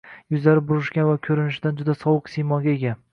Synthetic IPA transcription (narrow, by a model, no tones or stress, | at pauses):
jʊzlaɾɪbʊɾɪʃkʲanvakʲʰɵɾɪnɪʃɪd̪and͡ʒʊd̪asɒwɨqsejmɒɡʲaeɡʲa